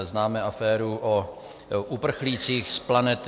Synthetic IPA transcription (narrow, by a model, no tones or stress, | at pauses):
znaːmɛʔafɛːɾuʔo | ʔupr̩xliːt͡siːxsplanɛt̪